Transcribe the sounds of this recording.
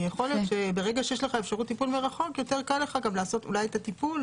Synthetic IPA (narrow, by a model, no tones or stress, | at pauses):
jeχo̞ljotʃebe̞ʁeɡaʃejeʃle̞χaefʃaʁut̪ːipulmeʁaχo̞kjo̞teʁkalːeχaɡamlaːso̞tṵlajetatipul